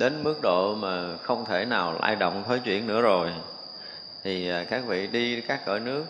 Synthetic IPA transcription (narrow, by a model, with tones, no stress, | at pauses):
ɗe˨˦nmɨ˦˥ək̚ɗo̰˧˨maː˨˩xə˧wŋ͡mt̪ʰe˧˩naː˨˩wlʔa̰ː˧jɗo̰˧˨wŋ͡mt̪ʰəː˨˦jt͡ɕwḭ˧˨ənːɨ̰˧˥əzo˨˩j | t̪ʰi˨˩aː˨˩kaː˦˥k̚vḭ˧˨ɗi˧kaː˦˥k̚ːə̰ː˧˨˩jnɨ˦˥ək̚